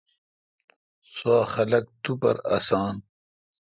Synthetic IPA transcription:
swaːxɐlɐk̚t̪upɐ̰ɾɐ̰saːn

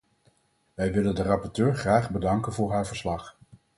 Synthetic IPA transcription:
ʋɛjʋɪləndərɑpɔɹtøːɹχraːχbədɑŋkənvʊːɹɦaːɹvəɹslɑχ

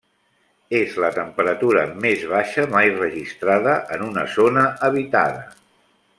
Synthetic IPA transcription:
ezlət̪əmpəɾət̪uɾəmezβaʃəmajrəʒist̪ɾaðəʔənunə̰zonəəβ̞it̪a̰ðə

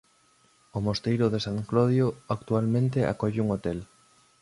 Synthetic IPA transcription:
omost̪ejɾʊðesaŋklɔðjoakt̪ualmẽnt̪eʔa̰kɔʎuŋot̪ɛl

